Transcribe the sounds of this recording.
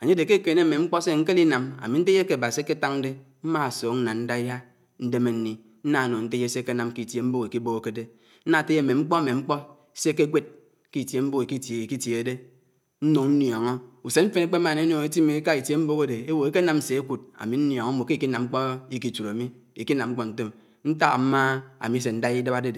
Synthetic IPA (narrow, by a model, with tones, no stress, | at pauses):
a˨ɲe˦de˨ke˦ke˨ne˦˨me˨ŋ͡m̩˦k͡pɔ˦se˦ŋ̩˦ke˦li˦na˨ma̰˨mi˨n̩˦te˦je˦ke˨a˨ba˨si˦e˦ke˦ta˦ŋ̩˦de˦ | m̩˦ma˦a˨soː˨kn̩˦na˨nn̩˦da˦ɦa˦ | n̩˦de˦me˨n̩˦ni˨ | n̩˦na˨no˨n̩˦te˦e˦se˦ke˦na˨mki˦˨tje˨m̩˦bo˦ke˨ki˦bo˦ko˨˦ke˦de˦ | n̩˦na˨te˦je˦˨me˨ŋ͡m̩˦k͡pɔ˦a˦me˨ŋ͡m̩˦k͡pɔ˦ | se˦ke˦ɡʷe˦t̚ | ki˦˨tje˨m̩˦bo˦ki˨ki˦te˨ki˦tje˨˦de˦ | n̩˦no˨ŋn̩˦jɔ˨ŋɔ˦u˨se˦m̩˦fe˦ne˦k͡pe˦m˦a˨ne˦o˨ŋe˦ti˦me˨˦ka˦i˨tje˦m̩˦bo˦ɣe˦de˨e˦wo˨e˦ke˦na˨m̩˦se˨e˦ku˨d̚a̰˨mi˨n̩˦njɔ˨ŋo˦m̩˦o˨ke˦i˨ki˦na˨mŋ͡m̩˦k͡po˦i˦ki˨t͡ʃu˨ɾa˨mi˦ | i˨ki˦na˨mŋ͡m̩˦k͡pɔ˦n̩˨˦te˦m | n̩˦ta˦ɣa̰˨m̩˦ma˦a̰˨mi˨˦se˨n̩˦da˦i˦da˦ba˦de˦d